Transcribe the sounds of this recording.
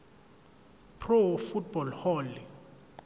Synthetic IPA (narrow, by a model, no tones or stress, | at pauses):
pʰrofut̚bɔlhɔːli